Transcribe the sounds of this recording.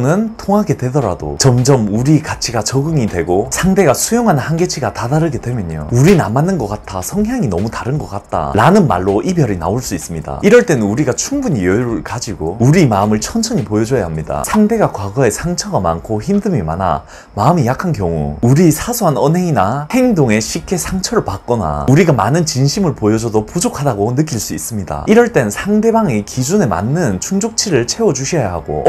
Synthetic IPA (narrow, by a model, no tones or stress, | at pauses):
nɯntʰoŋɦaɡe̞dwe̞dʌɾa̰do̰t͡ɕʌmd͡ʑʌmuɾikat͡ɕʰiɡat͡ɕʌɡɯŋidwe̞ɡosʰaŋde̞ɡasʰujoŋɦanɯnhanɡe̞t͡ɕʰiɡatadaɾɯɡe̞dwe̞mjʌɲo̰uɾinamanːɯnɡʌk͈at̚tʰasʰʌŋɦjaŋinʌmutaɾɯnɡʌk͈at̚t͈a̰ɾanɯnma̰ɭːoʔibjʌɾina̰oɭs͈uis͈ɯmɲida̰iɾʌɭt͈e̞nɯnuɾiɡat͡ɕʰuŋbuɲijʌɾuɭkad͡ʑiɡouɾimaɯmɯɭt͡ɕʰʌnt͡ɕʰʌɲipojʌd͡ʑʌjaɦamɲida̰sʰaŋde̞ɡakwaɡʌe̞sʰaŋt͡ɕʰʌɡama̰nkʰoçimdɯmima̰na̰ | maɯmijakʰankjʌŋṵuɾisʰasʰoɦanʌnɦe̞ŋinahe̞ŋdoŋe̞ɕʰik͈ʰe̞sʰaŋt͡ɕʰʌɾɯɭpak̚k͈ʌna̰uɾiɡamanɯnt͡ɕinɕʰimɯɭpojʌd͡ʑʌdopud͡ʑokʰadaɡonɯk͈iɭs͈uis͈ɯmɲida̰iɾʌɭt͈e̞nɯnsʰaŋde̞baŋikid͡ʑune̞ma̰nːɯnt͡ɕʰuŋd͡ʑok̚t͡ɕʰiɾɯɭt͡ɕʰe̞wʌd͡ʑuɕʰʌjaɦaɡo̰